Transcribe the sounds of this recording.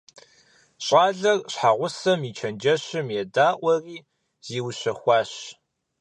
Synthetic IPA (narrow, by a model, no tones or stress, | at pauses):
ɕʼaːɮɐrɕħaʁʷʊsɐmit͡ʃʰɐnd͡ʒɐɕɪmjɛdaːʔʷɐriː | z̥iːwʊɕɐxʷɑːɕ